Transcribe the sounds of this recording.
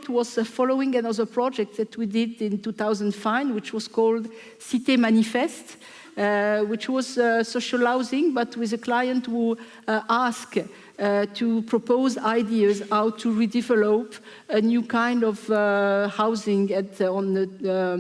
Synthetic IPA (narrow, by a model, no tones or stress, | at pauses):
twɔz̥fɔloɪ̃ŋɨ̃nʌðə˞pʰɹɔd͡ʒɛk̚t̪̚ðætʰwidɪdɪ̃ntuθawzə̃ndfãɪ̃nwɪt͡ʃwɔz̥kʰɔlˠd | sitemanifɛst | wɪt͡ʃwɔz̥soʃəlaʊzɪ̃ŋbʌtʰwiðəkʰlajə̃ntwi | ʔask | tʰupʰɹ̥ɔpoʊzaɪdiəzaʊtʰːuɹidɛvɛlɔp | ənjukãɪ̃ndɔvhaʊzɪ̃ŋɨtɔ̃nə